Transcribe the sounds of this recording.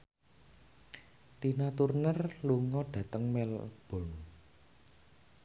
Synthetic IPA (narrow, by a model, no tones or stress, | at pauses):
t̪inat̪urnərluŋɔɖ̥ä̤t̪əŋmɛlb̥ɔn